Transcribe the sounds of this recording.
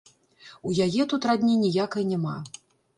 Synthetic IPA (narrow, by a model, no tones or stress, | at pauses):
ujajɛt̪ut̪ɾad̪ʲnʲinʲijakɐjnʲɛma